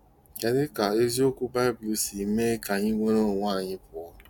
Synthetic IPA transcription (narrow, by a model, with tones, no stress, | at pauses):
ke˨ɾɪ˦ka˨e˦zi˦o˦kʷu˦ba˦ɪ˦blu˦si˨me˦ka˨ɲi˦ŋʷe˦ɾo˦˨ŋʷaː˦˨ɲɪ˦pʊ˨ɔ˦